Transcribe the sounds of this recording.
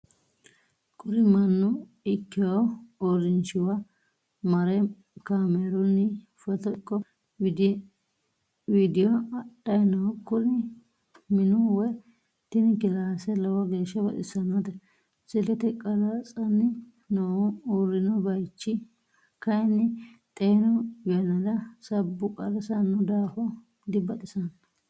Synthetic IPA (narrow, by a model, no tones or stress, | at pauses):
kʼʊɾɪmɐnːʊ | ɪkːɪjɔɔɾɪnt͡ʃːɪwɐ | mɐɾɛ | kaːmɛɾʊnːɪ | fɛt̪ɔkːɔ | ɪd̪ | wiːd̪ɪjɔɐɗɐjnɔkːʊlɪ | mɪnʊwɛ | t̪ɪnɪkɪlaːsɛlɐwɐɡe̞ːʃːɐbɐ̰t̪ɪsɐnːɔd̪ɛ | sɪlɛt̪ɛkʼɐlat͡sʼɐnːɪ | nɔuɾɪnɔbɐjt͡ʃːɪ | kɐjnːɪt̪ʼeːnɔjɐnɐd̪ɐsɐbːʊkʼɐlɐsɐnːʊd̪aːfɔ | d̪ɪbɐt̪ʼɪsɐn